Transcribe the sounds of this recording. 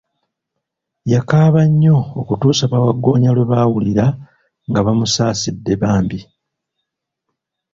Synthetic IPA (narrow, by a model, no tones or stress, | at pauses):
jakaːβaɲːo̞ːkutuːsaβawaɡːo̞ːɲalwe̞βawuliɾa | ŋɡaβamusaːsidːe̞βaːmbi